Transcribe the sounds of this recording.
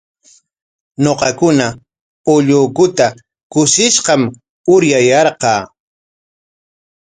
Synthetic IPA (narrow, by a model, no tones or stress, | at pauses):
noqɑkʊna | ʊʎʊːkʊt̪a | kʊʃɪʃqɑm | ʊɾjajɑɾqɑː